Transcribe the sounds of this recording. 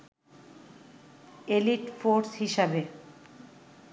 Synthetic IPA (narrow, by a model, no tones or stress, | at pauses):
eliʈfoɾshiʃabe